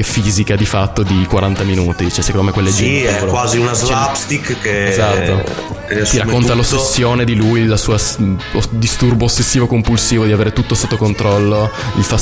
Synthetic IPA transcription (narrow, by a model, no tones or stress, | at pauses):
efiːzikad̪ifat̪ːod̪ikwaɾant̪aminuːt̪it͡ʃɛsekond̪omekwelːed͡ʒiɛkwaːziunazlapst̪ikkːeezat̪ːoet̪iɾakkːont̪alosesːjoːned̪ilujlasuːasod̪ist̪urboosːesːiːvokompulsiːvod̪iaveːɾet̪ut̪ːosot̪ːokont̪ɾɔlːoilfa